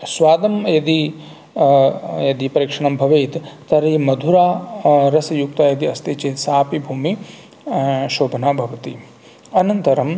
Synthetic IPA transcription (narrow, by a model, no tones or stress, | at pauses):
sʋaːd̪ɐmjɐd̪i | jɐd̪ipɐɾiːkʂɐɳɐmbʱɐʋeːt̪t̪ɐɾimɐd̪ʱuɾaːɾɐsɐjuk̚t̪ajɐd̪iɐst̪iːt͡ʃeːt̪saːpibʱuːmi | ʃoːbʱɐnaːbʱɐʋɐt̪i | ɐnɐnt̪ɐɾɐm